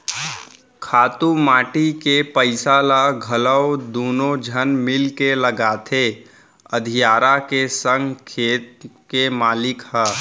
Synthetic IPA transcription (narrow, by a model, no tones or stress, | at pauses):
kʰaːt̪umaːʈikepəɪsalaɡʱələwd̪oːnod͡ʒʱənmɪlkeləɡaːt̪ʰe | əd̪ʱijaːɾakesə̃ŋɡkʰeːt̪kemaːlɪkhɛ